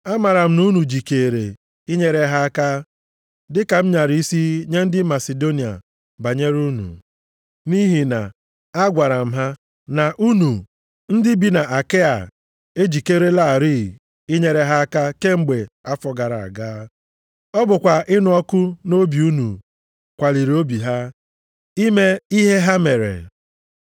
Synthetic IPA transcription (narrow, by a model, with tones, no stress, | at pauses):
a˦ma˨ɾa˨m̩˦nu˦nu˨d͡ʒi˨ke˨ɾe˨ | i˦ɲe˦ɾe˦ɦa˦ka˦ | dɪ˦ka˨m̩˦ɲa˨ɾi˨˦i˦si˦ɲe˦n̩˦dɪ˦ma˨se˨do˦ni˨a̰˨ | ba˨ɲe˦ɾu˦nṵ˨ | ni˦ɦi˨na˨ | a˦ɡʷa˨ɾa˨m̩˨ɦa˦ | na˨ʔu˦nu˨ | n̩˦dɪ˦bi˦na˨ʔa˨ke˦a̰˨ | e˦d͡ʒi˨ke˦ɾe˦la˦˨ɾi˦˨ | ɪ˦ɲe˨ɾe˨ɦa˦a˦ka˦ke˦ŋ͡m̩˦ɡ͡be˨a˦fɔ˨ɡa˨ɾa˨a̰˨ɡaː˦ | ɔ˦bʊ˨kʷa˨ʔɪ˦nʊ˨ɔ˦kʊ˦no˦bi˨u˦nu˨ | kʷa˨li˨ɾi˨o˦bi˨ɦa˦ | i˦me˦i˦ɦe˦ɦa˦me˨ɾḛ˨